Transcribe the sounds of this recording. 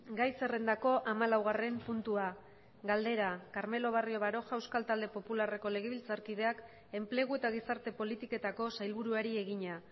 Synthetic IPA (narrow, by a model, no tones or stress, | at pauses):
ɡajse̞re̞nd̪ako̞ʔamalawɣ̞are̞mpunt̪ua | ɡald̪e̞ɾakaɾme̞lo̞β̞ario̞βaɾo̞ʝaewskalt̪ald̪e̞po̞pulare̞ko̞le̞ɣe̞βilt͡saɾkið̞e̞ak | e̞mple̞ɣ̞ue̞t̪aɣ̞isaɾt̪e̞po̞lit̪ike̞t̪ako̞sajlβuɾuaɾie̞ɣ̞iɲa